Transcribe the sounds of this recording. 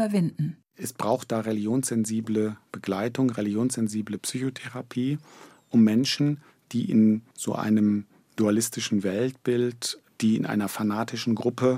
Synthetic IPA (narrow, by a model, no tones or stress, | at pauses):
bɐvɪndn̩ | ʔɛsb̥ʁaʊxt̚d̥aːʁeliɡjoːnsz̥ɛnziːbləb̥əɡlaɪtʊŋʁelɪɡjoːnsz̥ɛnziːbləpsyːçotʰeʁapʰiː | ʔʊmːɛnʃn̩ | d̥iːʔɪ̰nz̥o̰ːʔa̰ɪnəm | d̥ualɪstɪʃn̩vɛltb̥ɪltd̥iːɪ̰nʔa̰ɪnɐfanaːtʰɪʃn̩ɡʁʊpə